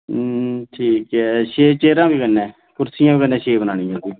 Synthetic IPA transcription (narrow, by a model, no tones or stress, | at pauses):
ʈʰiːkɛːʃeːt͡ʃeːɾãːbiːkənːɛ̃ː | kʊɾsɪjãːbiːkənːɛ̃ːʃeːbənaːɳɪjãːd̪iː